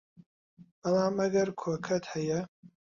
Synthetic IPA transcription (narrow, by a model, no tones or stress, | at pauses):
b̥ɐlˠaːmɐɡɐɾkʰoːkʰɐt̪hɐjɐ